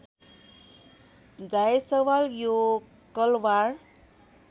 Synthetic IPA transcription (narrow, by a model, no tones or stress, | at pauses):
d͡zajsʌwaljo | kʌlwar